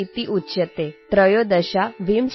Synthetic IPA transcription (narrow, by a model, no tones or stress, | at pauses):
it̪iʔutːɕət̪et̪ɾəjod̪əɕaʋimɕ